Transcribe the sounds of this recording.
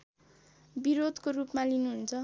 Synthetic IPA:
biɾod̪ʱkorupmalinuɦunt͡sʰʌ

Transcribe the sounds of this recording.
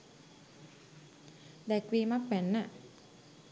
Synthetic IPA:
d̪ɛkwiːmak̚wɛnːa

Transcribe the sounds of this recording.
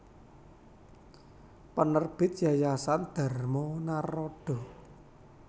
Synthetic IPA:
pənərb̥ɪ̤t̪̚jajasand̪̥a̤rmɔnarɔɖ̥ɔ̤

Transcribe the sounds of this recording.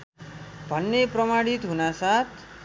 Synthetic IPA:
bʱʌnːepɾʌmaɽit̪ɦunasat̪ʰ

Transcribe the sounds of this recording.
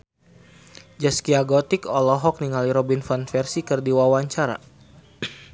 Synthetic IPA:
d͡ʒaskiaɡɔt̪ikɔlɔɦɔk̚niŋaliɾɔbinfanfɛrsikɨrdiwawaɲt͡ʃaɾa̰

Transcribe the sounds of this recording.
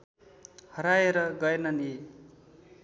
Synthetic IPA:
hʌɾaeɾʌɡʌjnʌni

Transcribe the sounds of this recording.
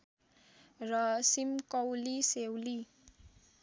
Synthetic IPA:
rʌsimkʌwlisewli

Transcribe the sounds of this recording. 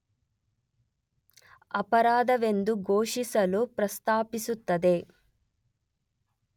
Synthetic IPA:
ɐpɐɾaːd̪ɐʋe̞nd̪uɡoːʂisɐlupɾɐst̪aːpisut̪ːɐd̪e̞

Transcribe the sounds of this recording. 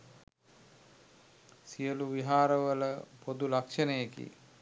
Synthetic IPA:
sijəluʋiɦaːɾəʋələpod̪ulakʂənəjekḭ

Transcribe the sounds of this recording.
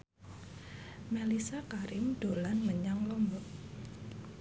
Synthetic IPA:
melisakaɾɪmd̪̥o̤lanməɲaŋlɔmbɔʔ

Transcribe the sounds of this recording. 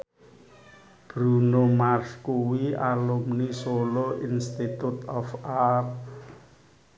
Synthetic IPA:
b̥ɾunomarskuwialumnisoloʔinst̪it̪ut̪ɔfar

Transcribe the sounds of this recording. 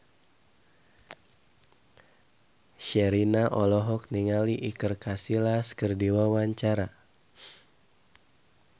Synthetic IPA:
ʃɛɾinaʔɔlɔɦɔk̚niŋaliʔikərkasilaskərdiwawaɲt͡ʃaɾa

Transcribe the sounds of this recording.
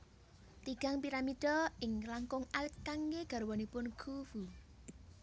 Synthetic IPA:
t̪iɡ̥a̤ŋpiɾamid̥ɔɪŋlaŋkʊŋalkaŋɡeɡ̥a̤ɾwɔnipʊnɡ̥ʰuv̥u

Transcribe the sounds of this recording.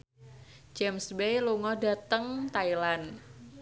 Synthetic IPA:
d͡ʒɛmsbejluŋɔda̤t̪əŋt̪ailan

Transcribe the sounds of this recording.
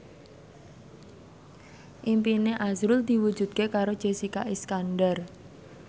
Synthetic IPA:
ʔimpineʔazɾʊld̪̥i̤wud̥ʒ̥ṳd̪̚kekaɾod̥ʒ̥e̤sikaʔiskanɖər

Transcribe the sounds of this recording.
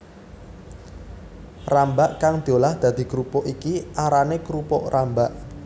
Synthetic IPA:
rambaʔkaŋd̪̥iolahd̪̥ä̤d̪̥i̤kɾupɔʔikiaɾanekɾupɔʔrambaʔ

